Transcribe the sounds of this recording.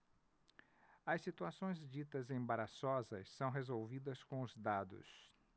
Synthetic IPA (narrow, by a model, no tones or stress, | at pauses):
ɐsːit̪uasõj̃zd͡ʒit̪ɐzẽbaɾasɔzɐssɐ̃w̃ɦezowvid̪ɐskõʊzd̪ad̪ʊ̰s